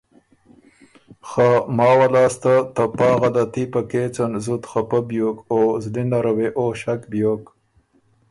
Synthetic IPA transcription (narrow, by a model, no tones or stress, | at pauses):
xamɑːwalɑːst̪at̪ɐpɑːɣɐd̪at̪ipɐkeːt͡sɐnzut̪xapɐbjoːkozlinaɾɐweʔoːɕakbjoːk